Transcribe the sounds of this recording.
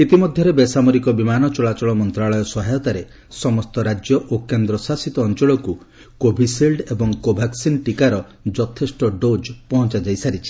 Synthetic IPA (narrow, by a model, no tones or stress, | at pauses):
it̪imɔd̪ʱjɔɾebesamɔɾikɔbimanɔt͡ʃɔɭat͡ʃɔɭɔmɔnt̪ɾaɭɔjɔsɔɦajɔt̪aɾe | sɔmɔst̪ɔɾad͡ʒjɔʔokend̪ɾɔsasit̪ɔːnt͡ʃɔɭɔku | kobʱisilɖebɔŋkobʱaksinʈikaɾɔ | d͡ʒɔt̪ʰesʈɔɖod͡ʒpɔɦɔnt͡ʃad͡ʒajsaɾit͡ʃʰi̥